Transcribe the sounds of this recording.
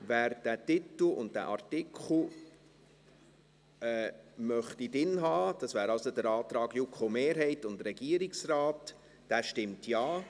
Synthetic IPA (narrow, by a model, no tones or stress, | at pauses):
væːɾd̥ætɪtl̩ʊ̰nd̚dæ̰ʔɑɾtɪkʰl̩ | ɛmœχtidɪnɦɑːd̥ɑsvʋæːɾɑlsodəɾɑːt̪ɾɑːɡjukʰomeːɾɦɛɪtʊndɾɛɡiəɾɪksrɑːt | d̥æːʃtɪmtjɑː